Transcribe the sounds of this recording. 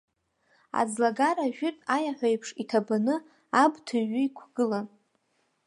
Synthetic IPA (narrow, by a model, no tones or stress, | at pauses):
a̰d͡zlaɡaɾaʒᶣɪtʼajaħʷajpʰʂitʰabanɨ | abtʰɨɥʏikʷʰɡ̥ɨlan